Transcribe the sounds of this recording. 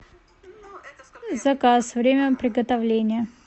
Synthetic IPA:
zɐkasvɾʲemʲəpɾʲɪɡət̪ɐvlʲenʲɪjə

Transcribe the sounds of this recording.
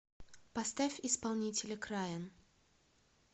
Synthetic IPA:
pɐst̪afʲɪspɐlˠnʲitʲɪlʲɪkɾajən

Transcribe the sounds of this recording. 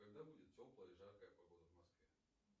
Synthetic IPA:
kɐɡd̪abudʲɪt̪̚tʲoplˠəjəiʐaɾkəjəpɐɡod̪əvmɐskvʲɛ

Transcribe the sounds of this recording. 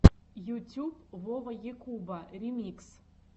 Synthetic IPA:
jutʲʰupvɔʁjekʰubarimiks

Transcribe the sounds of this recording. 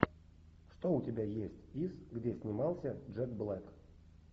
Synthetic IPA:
ʂt̪oʊtʲɪbʲajesʲtʲisɡdʲesʲnʲɪmɑlˠsʲəʐɛk̚blˠɛk

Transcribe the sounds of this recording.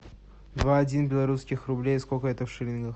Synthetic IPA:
d̪vaɐdʲinbʲɪlˠɐɾuskʲɪxrʊblʲejskokəɛt̪əfʂɨlʲɪnɡəx

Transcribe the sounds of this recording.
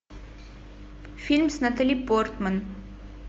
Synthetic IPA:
filmsnɐt̪əlipɔrt̪mən

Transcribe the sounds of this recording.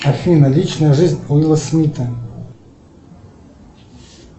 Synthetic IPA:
afʲinɐlʲit͡ʃnɐjɐʐɨzʲnʲuilˠɐsmʲit̪ʰɐ

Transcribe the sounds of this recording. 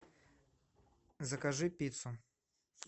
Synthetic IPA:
zɐkaʐɨpʲit̪sʊ

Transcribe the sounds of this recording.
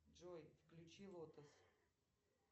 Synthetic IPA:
d͡ʒojfklʲʊt͡ɕilˠot̪əs

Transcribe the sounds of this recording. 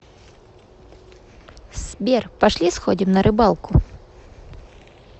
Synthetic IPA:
sbʲɛrpɐʂlʲisxodʲimnɐɾʔɪbɑlˠkʊ

